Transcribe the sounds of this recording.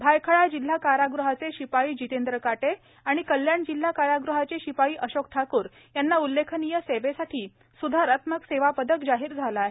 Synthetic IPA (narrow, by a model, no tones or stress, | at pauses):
bʱajkʰəɭad͡ʑil̤ːakaɾaɡɾuɦat͡seɕipaiːd͡ʑit̪end̪ɾəkaʈe | aɽ̃ikəljaɳd͡ʑil̤ːakaɾaɡɾuɦat͡seɕipaiːʔəɕok̚t̪ʰakuːɾ | janːaulːekʰənijəseʋesaʈʰiː | sud̪ʱaɾat̪məkseʋapəd̪əkd͡zaɦiːɾd͡zʱalaɦe